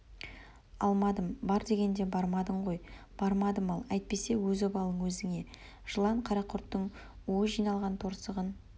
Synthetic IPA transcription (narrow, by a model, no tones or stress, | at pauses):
ɑlˠmɑd̪əmbɑɾd̪e̞ɡʲe̞nd̪e̞bɑɾmɑd̪əɴʁo̞jb̥ɑɾmɑd̪əmɑlˠæjt̪̚pe̞se̞wɵzobɑlˠəɴwɵzɪŋe̞ | ʒ̥əlˠɑɴqʰɑɾɑqʰʊɾt̪ːəɴ | wojʒijnɑlˠʁɑnt̪ʰo̞ɾsəʁən